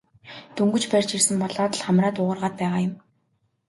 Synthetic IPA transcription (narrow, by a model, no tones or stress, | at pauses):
t̪ɵŋɡɵ̆t͡ɕpærʲt͡ɕirsɘ̆mpɔɮɔːt̪ə̆ɮχamraːt̪ʊʁə̆rʁaːt̪̚pæːʁaːjʊ̆m